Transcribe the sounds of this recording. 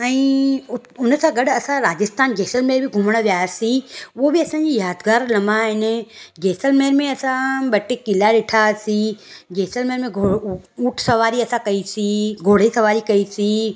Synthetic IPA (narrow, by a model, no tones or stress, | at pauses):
ɛ̃ːʊ | ʊnsãɡɐɗɐsãɾaːd͡ʑɪst̪aːnd͡ʒeːsəlmeːɾbʱiɡʱʊməɽ̃əʋjaːsiobʱiɐsãːɲd͡ʑijaːd̪ɡaːɾlɐ̃mbaɦɪnd͡ʒeːsəlmeːɾmẽɐsãbɐʈekɪlaɗɪʈʰasid͡ʒeːsəlmeɾmẽɡʱouːʈʰsɐʋaːɾiɐsãkɐisiɡʱoːɽ̤isɐʋaːɾikɐisi